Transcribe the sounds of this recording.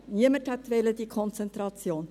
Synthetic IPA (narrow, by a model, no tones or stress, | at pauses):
niəməthɛt̪ʋɛləd̥iːkʰɔnt͡sɛnt̪ɾɑt͡sjoːn